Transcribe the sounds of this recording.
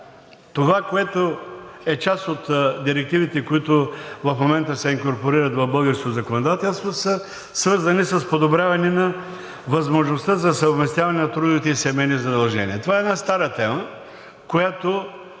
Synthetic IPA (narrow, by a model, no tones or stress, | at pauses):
t̪ovakoɛt̪oɛt͡ʃasot̪d̪iɾɛk̚t̪ivit̪ɛkoit̪ʊvɐfmomɛnt̪əsɛiŋkoɾpoɾiɾət̪vɐvbɤlˠɡəɾskozɐkonod̪at̪ɛlˠst̪vosə | svɤɾzɐnisəspod̪obɾʲjavɐnɛnɐ | vɐzmoʒnost̪əzɐsəvmɛst̪javɐnɛnɐt̪ɾud̪ovit̪ɛisɛmɛjnizɐd̪ɐlˠʒɛniɛt̪ovaɛd̪nast̪aɾət̪ɛmə | kojat̪o